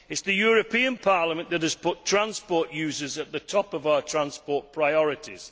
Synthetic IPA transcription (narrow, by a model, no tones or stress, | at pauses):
ɪtsðɨjɔːɹəpʰĩə̃npʰɑɹləmə̃nðətəz̥pʰʊtʰɹ̥ãnspɔˑɹʔjʉːzəzəʔ̪̚ðətʰɔpəvaʊətʰɹ̥ãnspɔɹʔ̚pʰɹ̥aɪɔɹɪtʰɪ̰z̥